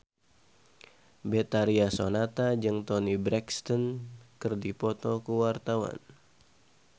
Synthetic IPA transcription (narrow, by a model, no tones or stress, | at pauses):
bɛt̪aɾiasonat̪ad͡ʒɨŋt̪ɔnibɾɛkst̪ɔnkɨrdipɔt̪ɔkuwart̪awa̰n